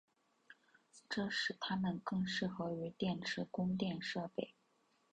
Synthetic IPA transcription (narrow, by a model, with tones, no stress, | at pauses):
ʈ͡ʂɤ˥˧ʂɻ̩˥˩t̪ʰa˥mə˨nkɤ˥˧ŋʂɻ̩˥˩xɤ˧˥ʊy˧˥t̪jɛ˥˩nʈ͡ʂʰɻ̩˧˥kʊ˥ŋt̪jɛ˥˧nʂɤ˥˧pe˥˩ɪ